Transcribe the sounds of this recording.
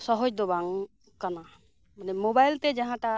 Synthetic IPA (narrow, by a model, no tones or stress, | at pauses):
sɔɦɔd͡ʒd̪ɔbaŋ | kana | manɛmobajlt̪ɛd͡ʒaɦãʈa